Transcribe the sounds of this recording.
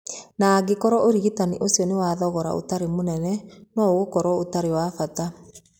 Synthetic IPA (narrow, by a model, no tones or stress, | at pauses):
naːɡekɔɾɔoɾiɣitaniʔosjɔnewaðɔɣɔɾa̰o̰taɾemonɛnɛnɔoɣokɔɾwɔotaɾewafata